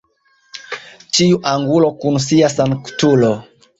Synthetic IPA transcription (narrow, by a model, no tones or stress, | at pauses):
t͡ʃiuʔaŋɡulɔkunusiasanku̥tulɔ